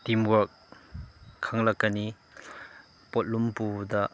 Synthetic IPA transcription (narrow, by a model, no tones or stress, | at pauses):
timwɐɾk̚ʰː | aŋlɐkːɐni | pɔt̚lumpudɐ